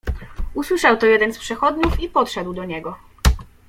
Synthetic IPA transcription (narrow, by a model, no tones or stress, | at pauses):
uswɘʂawt̪ɔjɛd̪ɛnspʂɛxɔd̪ɲufipɔt̪ʂɛd̪wd̪ɔɲɛɡɔ